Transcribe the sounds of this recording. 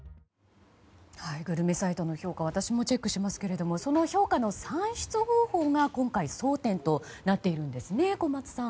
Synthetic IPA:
haiɡɯ̟ɾɯ̟me̞sait̪o̞no̞ço̞ːkaβ̞at̪aɕimo̞t͡ɕe̞kːɯ̟ɕimasɨ̥ke̞ɾe̞d̪o̞mo̞so̞no̞ço̞ːkano̞sãɰ̃ɕi̥t͡sɨho̞ːho̞ːŋakõ̞ŋkaiso̞ːt̪ẽ̞nt̪o̞ | nat̪ːe̞iɾɯ̟̃nd̪e̞sɨne̞ko̞mat͡sɨ̥sã

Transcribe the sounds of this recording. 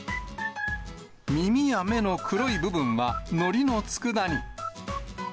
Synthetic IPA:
mʲimʲijame̞no̞kʰɯ̟ɾoibɯ̟bɯ̟̃ɰ̃βano̞ɾʲino̞t͡sɨ̥kɯ̟d̪aɲ̟i

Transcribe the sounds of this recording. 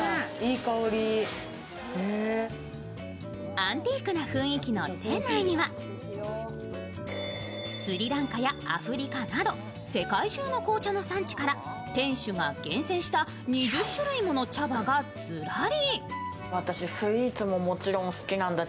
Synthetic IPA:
iːkaoɾʲi | e | ãnt̪iːkɯ̟naɸɯ̟̃ɰ̃ikʲino̞t̪ẽnaiɲ̟iβa | sɨɾʲiɾãŋkajaa̰ɸɯ̟ɾʲikanad̪o̞ | se̞kaiʑɨːno̞ko̞ːt͡ɕano̞sãɲ̟t͡ɕi̥kaɾa | t̪ẽ̞ɰ̃ɕɨɡaɡ̥ẽ̞ɰ̃sẽ̞ɰ̃ɕi̥t̪a | ɲiʑɨɕːɨɾɯimo̞no̞t͡ɕabaɡat͡sɨɾaɾi | βat̪aɕisɨɾʲiːt͡sɨmo̞mo̞t͡ɕiɾõ̞ñsɨ̥kʲinãnd̪a

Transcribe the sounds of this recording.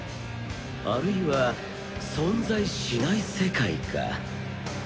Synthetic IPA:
aɾɯ̟iβa | sõ̞nzaiɕinaise̞kaḭkʰa̰

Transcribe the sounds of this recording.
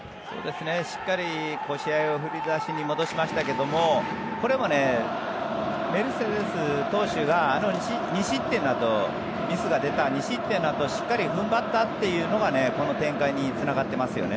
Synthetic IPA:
so̰ːd̪e̞sɨne̞ɕi̥kːaɾʲiko̞ɕiaio̞ɸɯ̟ɾʲid̪aɕiɲ̟imo̞d̪o̞ɕimaɕi̥t̪ake̞d̪o̞mo̞ko̞ɾe̞mo̞ne̞ | me̞ɾɯ̟sed̪e̞sɨt̪o̞ːɕɨɡaːno̞ɲiɕiɲ̟iɕit̪ːenːat̪o̞ | mʲisɨɡad̪e̞t̪aɲ̟iɕit̪ːe̞nːat̪o̞ɕi̥kːaɾʲiɸɯ̟̃mbat̪ːat̪ːe̞jɯ̟ːno̞ɡane̞ko̞no̞t̪ẽ̞ŋkaiɲ̟it͡sɨnaɡat̪ːe̞masɨjo̞̰ne

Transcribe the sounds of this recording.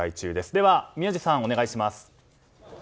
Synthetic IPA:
ait͡ɕɨːd̪e̞sɨd̪e̞βamʲjɨːʑisãɰ̃o̞ne̞ɡaiɕimasɨ̥

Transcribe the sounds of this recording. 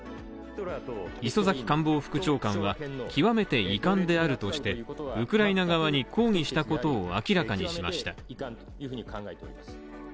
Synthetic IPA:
iso̞zakʲi̥kãmbo̞ːɸɯ̟̥kɯ̟t͡ɕo̞ːkãɰ̃βakʲiβame̞t̪e̞ikãnd̪e̞aɾɯ̟t̪o̞ɕi̥t̪e̞ɯ̟kɯ̟ɾainaɡaβaɲ̟iko̞ːŋ̟iɕi̥t̪ako̞t̪o̞ːa̰kʲiɾakaɲ̟iɕima̰ɕi̥t̪a

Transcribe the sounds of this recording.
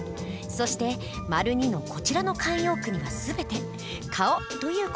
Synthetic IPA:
so̞ɕi̥t̪e̞ | maɾɯ̟ɲ̟ino̞ko̞t͡ɕiɾano̞kãɰ̃jo̞ːkɯ̟ɲ̟iβasɨbe̞t̪e̞ | kʰaot̪o̞jɯ̟ːk

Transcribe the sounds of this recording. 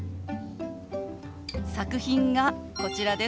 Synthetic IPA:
sakɯ̟çĩŋɡako̞t͡ɕiɾad̪e̞

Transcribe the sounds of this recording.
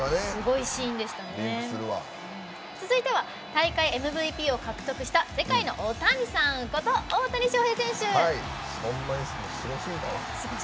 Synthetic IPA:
anesɨɡo̞iɕĩnd̪e̞ɕi̥t̪aneɨɾɯβa̰ | ɯ̃ | t͡sɨzɨit̪e̞βa | t̪aikaie̞mɯ̟bɯ̟pʲiːo̞kakɯ̟̥t̪o̞kɯ̟ɕi̥t̪ase̞kaino̞̰ʔot̪aɲ̟isãŋko̞t̪o̞ːt̪aɲ̟iɕo̞ːhe̞ːsẽ̞ɰ̃ɕɨai | sõnːaɲisɨmoɕiɾoɕiːk̪asɨɡo

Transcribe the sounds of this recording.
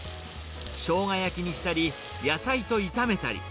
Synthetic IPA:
ɕo̞ːŋajakʲiɲ̟iɕi̥t̪aɾʲi | jasait̪o̞it̪ame̞t̪a̰ɾʲḭ

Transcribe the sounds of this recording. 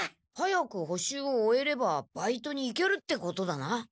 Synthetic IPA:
hajakɯ̟ɦo̞ɕɨːoːe̞ɾe̞bab̥ait̪o̞ɲ̟iːke̞ɾɯ̟t̪ːe̞ko̞t̪o̞d̪ana

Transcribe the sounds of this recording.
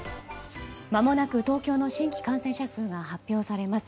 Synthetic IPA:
mamo̞nakɯ̟t̪o̞ːkʲo̞ːno̞ɕĩŋkʲi̥kãɰ̃sẽ̞ɕasɨːɡahapʲjo̞ːsaɾe̞masɨ̥

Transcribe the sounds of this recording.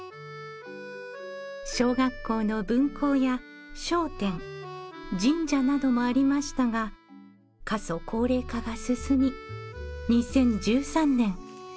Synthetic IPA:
ɕo̞ːɡakːo̞ːno̞bɯ̟̃ŋkʰo̞ːjaɕo̞ːt̪ẽ̞ŋ | d͡ʑĩɲd͡ʑanad̪o̞mo̞aɾʲimaɕi̥t̪aɡa | kaso̞kʰo̞ːɾe̞ːkaɡasɨsɨmʲi | ɲ̟isẽ̞ɲ̟d͡ʑɨːsãnnẽ̞ŋ

